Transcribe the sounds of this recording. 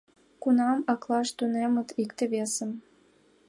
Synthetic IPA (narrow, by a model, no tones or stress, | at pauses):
kunɑmɑklˠɑʃt̪unemə̆t̪ʰikt̪ĕβesə̆m